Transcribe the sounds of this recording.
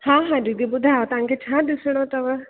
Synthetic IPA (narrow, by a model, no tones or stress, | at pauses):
hãːɦãd͡ʒid̪ibʊd̪ʱaʋot̪ɐʋãŋkʰet͡ʃʰãːd̪ɪsɽ̃ot̪ɐʋə